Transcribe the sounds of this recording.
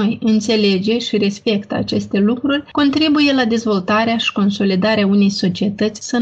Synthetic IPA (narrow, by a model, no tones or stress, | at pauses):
ojɨnt̪se̞le̞d͡ʒe̞ʃiɾe̞spe̞kt̪a̰t͡ʃe̞st̪e̞lukɾurʲko̞nt̪ɾibuje̞lad̪e̞zvo̞lt̪aɾeaʃi̥ko̞nso̞lid̪aɾeaune̞jso̞t͡ʃie̞t̪ət̪sʲsə